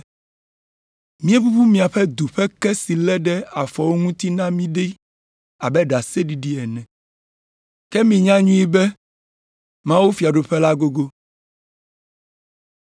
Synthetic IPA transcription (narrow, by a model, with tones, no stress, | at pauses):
mĩ˦e˦bu˦bu˦mĩ˨a˨ɸɛ˦d̪u˨ɸɛ˦kɛ˦si˨lɛ˦ɖɛ˦a˨fɔ˨wo˦ŋũ˦t̪i˦nã˦mĩ˦ɖi˦ | a˨bɛ˦ɖa˨se˦ɖi˨ɖi˦ɛ˨nɛ̃˨ | kɛ˦mĩ˨ɲã˦ɲũ˦i˦bɛ˦ | mã˦wu˦fi˨a˨ɖo˨ɸɛ˦la˦ɡo˦ɡo˦